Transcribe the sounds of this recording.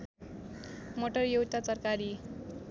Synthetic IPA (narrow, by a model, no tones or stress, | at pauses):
moʈʌrjowt̪at͡sʌrkaɾi